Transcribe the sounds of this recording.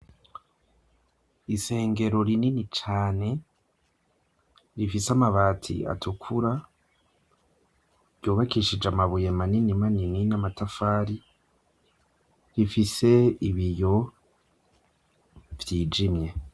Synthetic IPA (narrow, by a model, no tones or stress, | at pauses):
ise̞ːŋɡe̞ɾo̞ɾininit͡ʃaːne̞ | ɾifisamaβaːtʰḭa̰tukʰuɾa | ɾjoːβakiʃid͡ʒamaβujemaninimanininamatafaːɾi | ɾifise̞iβijo̞ | vjiːd͡ʒimje̞